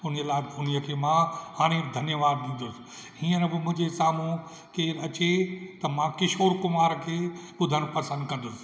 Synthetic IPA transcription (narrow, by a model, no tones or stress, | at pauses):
ʊn̤iəlaːɪd̪ʱʊnijəkʰeːmãɦaːɽ̃ed̪ʱɐnjəʋaːd̪̚ːɪ̃nd̪ʊsɪ̥ | ɦiːənɪbɪmʊ̃ɦɪ̃ɲd͡ʑesaːmũ | keːɾɐt͡ɕet̪ɐmãkɪʃoːɾkʊmaːɾkʰeːɓʊd̪ʱəñpɐsə̃nd̪̚kɐ̃nd̪ʊsɪ̥